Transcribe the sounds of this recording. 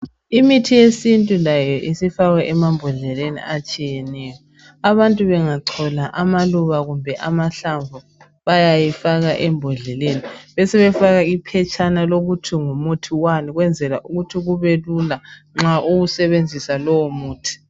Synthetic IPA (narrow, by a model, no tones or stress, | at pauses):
imitʰijesintʼulajɔʔisifaɣɛʔɛmambʱɔɮɛlenḭat͡ʃʼijɛnɛːjɔ | aβantʼuβɛŋaǀʰɔlaʔamaluβaɣumbʱɛʔamaɬaɱvu | βajajifaɣaʔɛmbʱɔɮɛleniβɛsɛβɛfaɣaipʰɛt͡ʃʼanaloɣutʰiŋumutʰiwaniɣwɛnd͡zʱɛlaʔuɣutʰiɣuβelulaŋ͡ǁaʔuɣusɛβend͡zʱisalɔwɔmuːtʰi̥